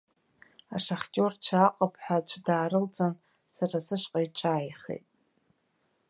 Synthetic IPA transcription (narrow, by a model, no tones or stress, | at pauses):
aʂaχʲtʲʼo̞rt͡ʃʷʰaːqʼapʰʼħat͡ʃʷʰdaːɾɨlt͡sʼan | sarasɨʃqʼaiʈ͡ʂʰaːjχḛjtʼ